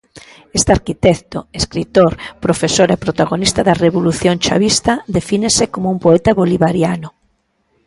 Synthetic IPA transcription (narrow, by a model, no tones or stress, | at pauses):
est̪eaɾkit̪ɛkt̪oeskɾit̪oɾpɾofesoɾepɾot̪aɣonist̪ɐðɐreβoluθjoŋt͡ʃa̰βist̪ɐd̪efinesekomoumpoɛt̪ɐβoliβaɾjanʊ